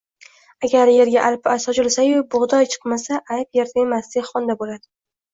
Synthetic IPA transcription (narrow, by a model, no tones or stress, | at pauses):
aɡʲaɾje̞ɾɡʲaʔalpasɒd͡ʒɪlsajʊbʊʁd̪ɒjt͡ʃʰɨ̥qmasaʔajpjeɾd̪aemasd̪ekʲχɒnd̪abolad̪ɪ